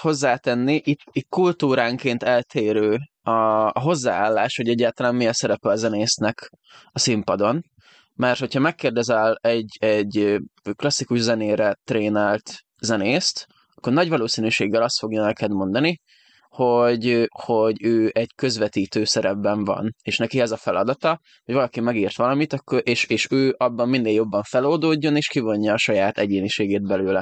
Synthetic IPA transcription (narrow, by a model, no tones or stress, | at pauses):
ho̞zːaːt̪ɛnːiʔit̪it̪kult̪uːɾaːŋkeːnt̪ɛlt̪ʰeːɾøː | ɒːɦo̞zːaːaːlːaːʃho̞ɟɛɟːaːlt̪ɒlaːmmijɛsɛɾɛpɛlɒzɛneːsnɛk | ɒsimpɒd̪o̞n | mɛrt̪ho̞chɒmɛkːeːrd̪ɛzɛlɛɟɛɟklɒsːikuʒzɛneːɾɛt̪reːnalt̪ | zɛneːst̪ | ɒkːo̞rnɒɟvɒloːsinyʃeːɡːɛlɒst̪fo̞ɡjɔnɛkɛd̪mo̞nd̪ɒni | ho̞ɟho̞ɟøːʔɛɟkø̞zʋɛt̪iːt̪øːsɛɾɛbːɛɱvɒ̰neːʃnɛkiɛzɒfɛlɒd̪ɒt̪ɒ | ho̞ɟvɒlɒkimɛɡiːrt̪ʋɒlɒmit̪ɒkːoɾʔeːʃeːʃøːʔɒbːɒmminːeːljo̞bːɒɱfɛloːld̪oːɟːo̞neːʃkivo̞ɲːɒːʃɒjaːt̪ɛɟeːniʃeːɡeːd̪̚bɛløːlɛ